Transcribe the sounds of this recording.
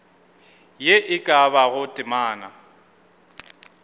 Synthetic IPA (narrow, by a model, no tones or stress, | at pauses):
jeʔɪkʼaβaɣʊtʼɪmaːna̰